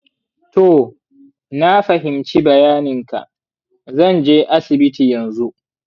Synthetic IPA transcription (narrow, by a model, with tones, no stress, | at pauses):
to˨ | na˦ɸɐ˨ɦɪ˨mt͡ʃi˦bɐ˨jaː˦nɪ˨ŋka̰˨ʔ | zɐ˦˨nd͡ʒeː˦ʔa˦sɪ˨bɪ˦tiː˨jɐ˨nzu˦ʔ